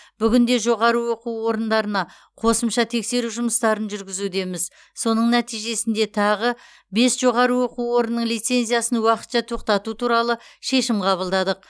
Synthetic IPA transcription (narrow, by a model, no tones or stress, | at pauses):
b̥ʏɡʲɪnd̪e̞ʒo̞ʁɑɾəwo̞quwwo̞ɾənd̪ɑɾənɑ | qʰo̞səmʃɑt̪ʰe̞kse̞ɾuʒʊməst̪ɑɾənʒʏɾɡʲɪzud̪e̞mɪz | so̞nəɴnæt̪ijʒe̞sɪnd̪e̞t̪ʰɑʁə | be̞sʒ̥o̞ʁɑɾəwo̞quwo̞ɾənːəɴlˠijt̪se̞nzijasənwɑqə̥t̪ʃɑt̪ʰo̞q̚t̪ɑt̪ut̪ʰuɾɑlˠəʃe̞ʃɪmqʰɑβəlˠd̪ɑd̪əq̚